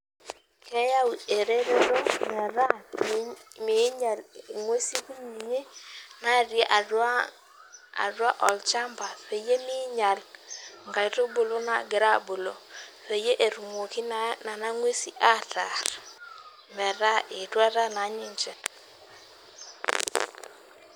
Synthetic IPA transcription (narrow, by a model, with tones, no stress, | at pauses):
kɛ˦ja˦we˨ɾe˦ɾe˦ɾo˦mɛ˨ɾa˦ | mɪ˨˦ɲa˨lŋwe˦si˦ku˦mi˨ɲe˦na˦˨ɾjɛ˦ʔa˨da˦ | a̰˨dwa˦ʔɔ˨lt͡ʃa˦mba˨ɸe˨je˦mɪ˦ɲa˨lŋɡa˨˦to˦bo˨lo˦na̰˦ɡɪ˨ɾa˦bo˨lo˨ | ɸe˨je˦ʔe˨ɾu˨mo˨ki˦nna˨na˦ŋwe˦si˨ʔa˦tʰa˨ɾ | mɛ˨ɾa˦ɪ˨twa˦ɾa˦na˨˦ɲɪ˦ɲt͡ʃɛ˦